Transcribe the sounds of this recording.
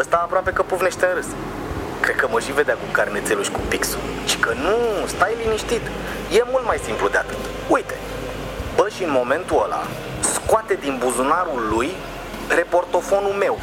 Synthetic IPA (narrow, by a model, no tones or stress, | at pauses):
əst̪aːpɾoape̞kəpuvne̞ʃt̪eɾɨs | kɾe̞d̪̚kəməʃive̞d̪eakukarnet̪se̞luʃʲkupiksṵlt͡ʃi̥kənust̪ajliniʃt̪it̪ | je̞mult̪majsimplud̪eat̪ɨt̪ | ujt̪e̞ | bəʃiɨnmo̞me̞nt̪uola̰ | skoat̪e̞d̪inbuzunaɾulːuj | ɾe̞po̞rt̪o̞fo̞nulme̞w